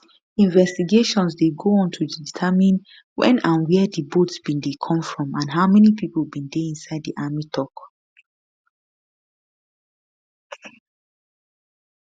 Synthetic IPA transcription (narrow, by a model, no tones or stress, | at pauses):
ĩnvɛstiɡeʃɔ̃nsdeɡoɔ̃ntʰuditʰəmĩn | wɛ̰̃nãnwɛdibotsbĩndekʰɔ̃mfɹɔ̃mãnɦaʊmɛnipʰiplˠbĩndɛĩnsaɪddiʔamitʰɔk